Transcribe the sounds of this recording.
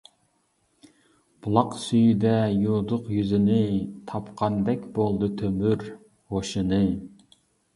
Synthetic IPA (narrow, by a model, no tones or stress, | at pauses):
b̥ulˠɑqsyjd̪ɛjud̪ʊqjyzɪnɪt̪ʰɑpqʰɑnd̪ɛkʲbolˠd̪ɨt̪ʰømyɾ | ʁoʃɨnɨ